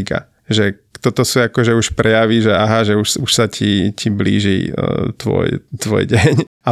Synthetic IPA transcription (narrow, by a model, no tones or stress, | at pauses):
ka̰ | ʒɛ | t̪ɔt̪ɔsuakɔʒɛuʃpɾɛjaʋiʒɛaɦaʒɛuʃsuʃsacʰicʰiblḭːʒḭt̪ʋɔ̰jt̪ʋɔ̰jɟɛɲ | a